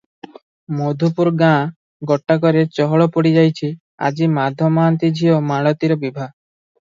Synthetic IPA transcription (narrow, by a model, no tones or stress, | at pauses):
mod̪ʱupuɾɡã | ɡɔʈːakɔɾet͡ʃɔɦɔɭɔpɔɽid͡ʒajt͡ʃʰi | a̰d͡ʒimad̪ʱɔmaːnt̪id͡ʒʱiɔmaɭɔt̪iɾɔbibʱa